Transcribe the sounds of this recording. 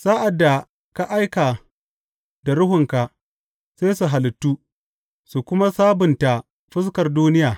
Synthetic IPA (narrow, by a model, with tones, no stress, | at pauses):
sa˦ʔa˨dːa˨ | ka˨ʔa˦jka˨ | da˨ɾʊ˦ɦʊ˨ŋka˨ | seː˦jsu˨ɦa˨lɪ˨tːu˦ | su˨kʷʊ˦ma˦saː˦bʊ˨nta˨ | ɸɪ˦s̬kɐ˨rduː˦nɪ˦jaː˨